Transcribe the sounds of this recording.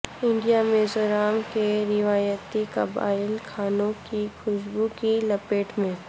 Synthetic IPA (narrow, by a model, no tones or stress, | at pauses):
ɪ̃ɳɖijamẽzʊɾaːmkeɾɪʋaːjət̪ikɐba̰ːɪlkʰaːnõkixʰʊʃbukilɐpeːʈmẽː